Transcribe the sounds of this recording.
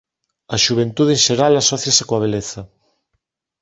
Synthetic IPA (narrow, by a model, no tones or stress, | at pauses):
ɐʃuβ̞ent̪uðenʃeɾalasɔθjasɪkoaβ̞eleθɐ